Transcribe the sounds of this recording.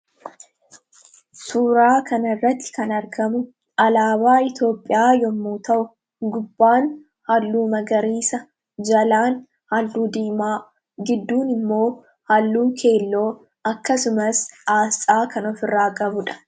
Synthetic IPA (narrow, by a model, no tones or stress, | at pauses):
suːɾaːkʰɐnɐrːɐt̪ːɪ̥kɐnɐɾɡɐmʊ | ɐlaːbaːɪt̪jo̞ːpʼːɪjaːjɔmːuːt̪ɐʔʊ | ɡʊbːaːn | hɐlːuːmɐɡɐɾiːsɐ | d͡ʒɐlaːn | hɐlːuːd̪iːmaː | ɡɪd̪ːuːnɪmːo̞ː | hɐlːuːkʰe̞ːlːo̞ː | ɐkːɐsʊmɐsaːst͡sʼaːkɐnɔfɪrːaːkʼɐbʊᶑɐ̥